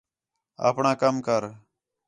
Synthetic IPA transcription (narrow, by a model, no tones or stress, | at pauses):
ə̰ːpɳãːkəmkəɾ